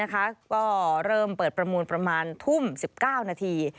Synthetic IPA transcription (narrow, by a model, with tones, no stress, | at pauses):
a˦˥kʰa˦˥kɔː˥˩ɾɤː˥˩mpɤː˨˩t̪̚pɾa˧muː˧npɾa˧maː˧nt̪ʰu˥˩msi˨˩p̚kaː˥˩wnaː˧t̪ʰiː˧